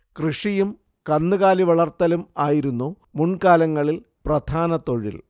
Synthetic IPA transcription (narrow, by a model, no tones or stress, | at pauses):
krɨʂijum | kɐnːɨɣaːliʋɐɭɐrt̪ːɐlumaːjiɾunːu | muɳkaːlɐŋːɐɭil | prɐd̪ʱaːnɐt̪o̞ɻḭl